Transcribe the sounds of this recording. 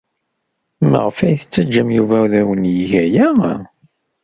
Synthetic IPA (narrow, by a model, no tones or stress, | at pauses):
mə̰ʁəfæjθət͡sːæd͡ʒːəmjuvæuðæwənjiʝæjæ